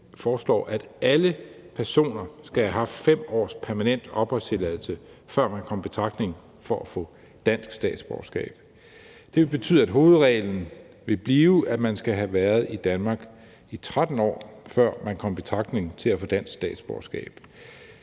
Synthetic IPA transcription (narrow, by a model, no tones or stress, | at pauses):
fɒːslɒ̰ːʔæd̥ | ælə | pʰæɐso̝̰ːnɐsɡ̥æhæɦɑ̈fd̥fem̰ɒ̰ːspʰæɐmænen̰d̥ɒ̽b̥ɒt͡sʰe̝lɛðˠl̩səfɶɐ̰mænkʰɒ̽m̰b̥e̝t͡sʰʁɑ̈ɡ̥̚ne̝ŋ | fɒ̽æfɔ̰̽ː | d̥æn̰sɡ̥sd̥ɛ̰ːd̥sb̥ɒːsɡ̥ɛ̰ːb̥ | d̥e̝ʋe̝lbe̝t͡sʰy̰ð̰ˠæd̥ɦo̝ːð̞̩ˠʁɛ̰ːln̩ | ʋe̝b̥liːʊʔæ̥mænsɡ̥æɦæʋæːɐð̞̩ˠid̥ænmɑ̈ːɡ̥ | it͡sʰʁad̥n̩ɒ̰ːfɶɐ̰mænkʰɒ̽m̰b̥e̝t͡sʰʁɑ̈ɡ̥̚d̥ne̝ŋt͡sʰe̝læfɔ̽ːd̥æn̰sɡ̥sd̥ɛ̰ːd̥sb̥ɒːsɡ̥ɛ̰ːb̥